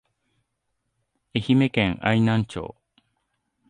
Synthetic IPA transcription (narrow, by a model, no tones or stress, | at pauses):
e̞çime̞kẽŋainãɲt͡ɕo̰ː